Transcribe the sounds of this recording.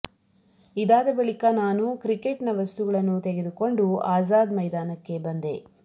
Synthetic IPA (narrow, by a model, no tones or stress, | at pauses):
id̪aːd̪ɐbɐɭikɐnaːnukɾikeʈnɐʋɐst̪uɡɐɭɐnːut̪eɡe̞d̪uko̞ɳɖuaːzaːd̪mɐjd̪aːnɐkːe̞bɐnd̪e̞